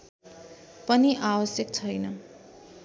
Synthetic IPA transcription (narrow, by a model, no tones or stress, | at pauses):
pʌniʔawʌsjʌk̚t͡sʰʌjnʌ